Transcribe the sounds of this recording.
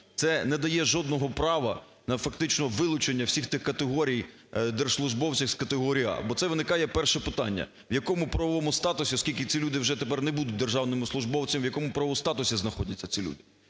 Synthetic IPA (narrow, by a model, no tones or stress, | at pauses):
t̪sɛnɛd̪ɐjɛʒɔd̪nɔɦɔpɾɑʋɐ | nɐfɐkt̪ɪt͡ʃnɔʋɪlˠʊt͡ʃenʲːɐwsʲixt̪ɪxkɐt̪eɦɔɾʲij | d̪erslˠʊʒbɔwt͡sʲɐwskɐt̪eɦɔɾʲijɑ̰bɔt̪sɛʋɪnɪkɑjɛpɛrʃɛpɪt̪ɑnʲːɐ̰ | ʋjɐkɔmʊpɾɐʋɔʋɔmʊst̪ɑt̪ʊsʲiɔskʲilʲkɪt͡sʲilʲud̪ɪwʒɛt̪epɛrnɛbud̪ʊt̚ʲd̪erʒɑwnɪmʊslˠʊʒbɔwt͡sʲɐmʋjɐkɔmʊpɾɐʋɔst̪ɑt̪ʊsʲiznɐxɔdʲɐt͡sʲːɐt͡sʲilʲṵd̪ɪ